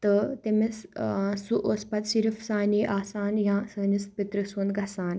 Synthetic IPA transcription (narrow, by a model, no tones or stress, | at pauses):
t̪ɐt̪emessuʔospɐt̪siɾfsaːniːʔaːsaːnjãːsəːnispit̪ɾəsuːnd̪ɡasaːn